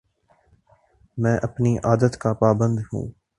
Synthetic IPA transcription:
mɛ̃ːʔɐpniʔaːd̪ət̪kapaːbə̃nd̪ɦṵ̃ː

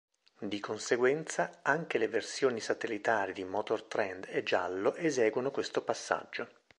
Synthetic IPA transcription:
d̪ikonseɡwɛnt̪saaŋkeleversjoːnisat̪elːit̪aːɾid̪imɔt̪ort̪ɾɛnd̪ed͡ʒːa̰lːoʔezɛːɡwonokwest̪opasːa̰d͡ʒːo

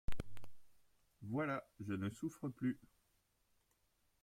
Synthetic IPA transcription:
vwalaʒənəsufχəply

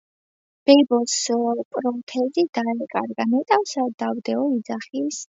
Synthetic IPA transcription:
b̥ɛbɔspʼɾɔt̪ʰɛzid̪̥aɛkʼa̰ɾɡanɛt̪ʼawsad̪avd̪ɛɔid̪zaχis

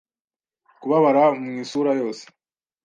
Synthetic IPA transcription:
kuβaβaɾamɲisuːɾajo̞ːse̥

